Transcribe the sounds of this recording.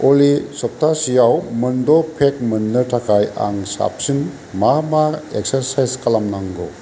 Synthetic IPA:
olisɔp̚tʰasijawmɯndɔpʰek̚mənːɯtakʰaja̰ŋsa̰p̚sin | mamaek̚səɾsajzkalamnaŋɡɔ

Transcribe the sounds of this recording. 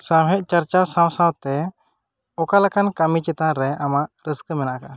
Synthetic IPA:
saɦɛʔ̚ˀt͡ʃaɾt͡ʃasãwsawt̪ɛ | ɔkalakankamit͡ʃɛt̪aɾɛamaʔɾəskəmɛnaʔka

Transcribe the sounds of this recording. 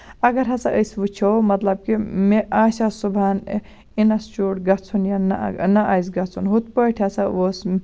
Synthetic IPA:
ɐɡɐɾɦɐsɐʔəsʋut͡ʃʰowmɐt̪lɐb̚kimeaːsʲasubʱan | inɐst͡ʃoːɽɡɐt͡sʰunjannɐʔaːjsɡɐt͡sʰunɦut̪̚pəʈʰjasɐos

